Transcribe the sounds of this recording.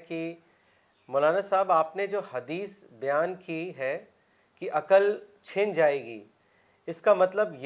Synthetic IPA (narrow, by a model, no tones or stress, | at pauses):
ki | mʊlaːnasaːbaːpned͡ʒoːhɐd̪iːsbɐjaːnkiɦɛ | kiʔɐkəlt͡ʃʰɪnd͡ʒaːeːɡḭː | ɪskamɐt̪ləbj